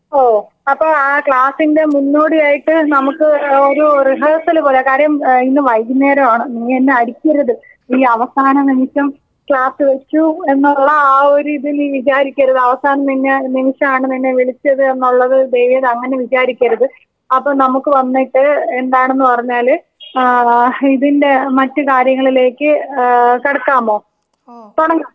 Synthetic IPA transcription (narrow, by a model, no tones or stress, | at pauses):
oː | ɐpːoːɭaːkɭaːsinde̞munːoːɽijaːjiʈːɨnɐmukːɨoɾuriɦɐːrsɐlpolɐkaːɾjɐminːɨʋɐjɡneːɾɐmaːɳɨenːeɐɾikʲːɐɾɐðɨ | iːɐʋɐsaːnɐnimiʂɐm | kɭaːsɨʋe̞t͡ɕːue̞nːuɭːɐaːoɾiðiliːʋit͡ɕaːɾikʲːɐɾɐðɨɐʋɐsaːnɐmt̪inːenimiʂɐmaːɳɨt̪ɐnːeʋiɭit͡ɕːɐðɨe̞nːuɭːɐðɨd̪ejʋijɐðɐŋːɐne̞ʋit͡ɕaːɾikʲːɐɾɐðɨ | ɐpːoːnɐmukːɨʋɐnːiʈːɨe̞nd̪aːɳe̞nːɨpɐrɐɲːaːl | iðinde̞mɐtːɨkaːɾjɐŋːɐɭile̞ːkːɨkɐɽɐkːaːmoː | t̪oɽɐŋɡɐ